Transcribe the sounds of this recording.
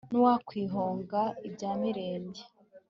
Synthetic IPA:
nuwakwiːɦoːŋɡaib̚ɟaːmiɾe̞ːɲɟe

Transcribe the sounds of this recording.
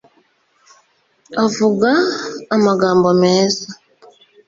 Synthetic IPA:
avuɡaːmaɡambɔmɛza

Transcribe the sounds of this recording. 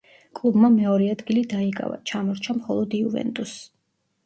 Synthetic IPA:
kʼlˠubmamɛɔɾɛad̪ɡilid̪aikʼa̰va̰t͡ʃʰamɔɾt͡ʃʰamχɔlˠɔd̪iuvɛ̰nt̪ʼus

